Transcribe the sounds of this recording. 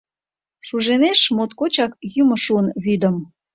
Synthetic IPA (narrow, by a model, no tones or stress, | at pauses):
ʃuʒeneʃmot̪̚kot͡ɕɑk̚jyməʃuənβyd̪ə̆m